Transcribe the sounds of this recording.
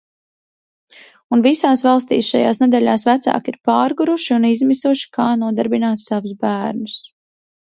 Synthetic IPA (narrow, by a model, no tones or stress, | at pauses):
unvisaːsvɑlˠst̪ḭːsʃajaːsned̪ɛʎʲaːsvæt̪sa̰ːkiɾpaːɾɡuɾuʃiunizmisuʃi̥kʰaːnuɔd̪aɾbinaːt̪savusbæːɾnus